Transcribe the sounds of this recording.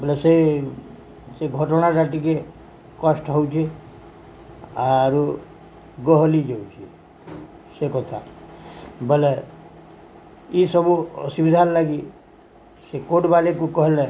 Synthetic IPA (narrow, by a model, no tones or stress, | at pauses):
bəlese | seɡʱɔʈɔnaɾaʈike | kɔsʈɦɔwt͡ʃʰe | aɾu | ɡɔɦlid͡ʒɔwt͡ʃʰi | sekɔt̪ʰa | bəle | isɔbṵsubid̪ʱanlaɡi | sekoɖbalekukɔɦele